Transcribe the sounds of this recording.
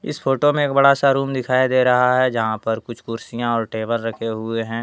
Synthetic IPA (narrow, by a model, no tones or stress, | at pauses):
ɪ̰sfʰoːʈomẽeːk̚bɐɽasaɾuːmd̪ɪkʰaːid̪eːɾɐɦaɦɛd͡ʒɐɦãpɐɾkʊt͡ʃʰkʊɾsijãɔːɾʈeːʋəɾːɐkʰeɦʊeɦɛ̃ː